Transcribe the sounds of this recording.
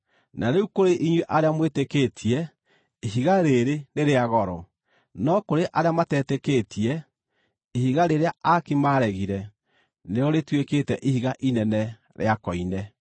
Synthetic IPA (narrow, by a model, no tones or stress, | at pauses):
naɾeukoɾeʔiɲweʔaɾeamwetekeːtʰiɛ | iɦiɣaɾeɾeneɾeaɣɔɾɔ | nɔkoɾeʔaɾeamatɛːtekeːtʰiɛ | ihiɣaɾeɾeaakimaɾɛɣiɾɛ | neɾɔɾetweketɛʔihiɣaʔinɛnɛ | ɾḛakɔinɛ